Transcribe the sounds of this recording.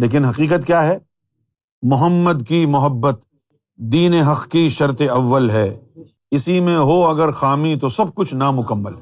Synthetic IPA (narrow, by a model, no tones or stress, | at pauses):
leːk̬ɪnɦɐqiːqət̪̚kjaːɦɛː | mʊɦəmːəd̪kimʊɦəbːət̪̚ | d̪iːneɦɐqkiʃɐɾt̪eɐʋːəlɦɛː | ɪsimẽɦoɐɡəɾxaːmit̪osɐb̚kʊt͡ʃʰnamʊkəmːə̰l